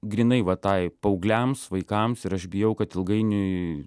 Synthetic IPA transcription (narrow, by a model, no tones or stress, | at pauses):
ɡɾʲinɐɪʋɐt̪ɑɪpɐʊɡlʲæmsʋɐɪkɐmsɪɾɐʃbʲɪjɛʊkɐt̪ɪlˠɡɐɪnʲʊɪ